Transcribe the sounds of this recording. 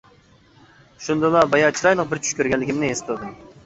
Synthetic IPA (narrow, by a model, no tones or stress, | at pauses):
ʃund̪ɨlˠɑbɑjɑt͡ʃʰiɾɑjlˠəqbɪɾt͡ʃʰy̥ʃkʲøɾɡʲɛnlːɪkʲimnɪest̪ʰɨd̪ɨm